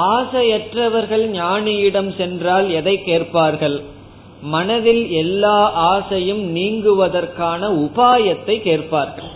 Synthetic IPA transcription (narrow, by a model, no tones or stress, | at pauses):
aːsɐjɛʈrɐʋɐɾɣɐɭɲaːnɪjɪɽɐmsɛndraːlɛðɐɪkːeːrpaːɾɣɐɭ | mɐnɐðɪlɛlːaːʔaːsɐjɯmniːŋɡɯʋɐðɐɾkaːnɐʊpaːjɐt̪ːɐɪkːeːrpaːɾɣɐɭ